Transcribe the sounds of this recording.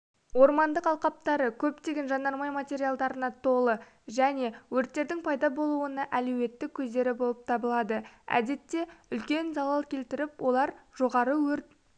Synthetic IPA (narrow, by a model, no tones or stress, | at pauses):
wo̞ɾmɑnd̪əqɑlˠqɑp̚t̪ɑɾəkʲʰɵpt̪e̞ɡʲe̞nʒɑnɑɾmɑjmat̪ʲe̞ɾijalˠd̪ɑɾənɑt̪ʰo̞lˠə | ʒæne̞wɵɾt̪ːe̞ɾd̪ɪŋpʰɑjd̪ɑbo̞lˠuənɑʔælɵwe̞t̪ːɪkʲʰːɵzd̪e̞ɾɪbo̞lˠəp̚t̪ʰɑbəlˠɑd̪əæ̰d̪e̞t̪ːe̞ʏlkʲe̞nzɑlˠɑlˠkʲʰe̞lt̪ɪɾɪpwʔo̞lˠɑɾʒ̥o̞ʁɑɾəwɵɾt̪̚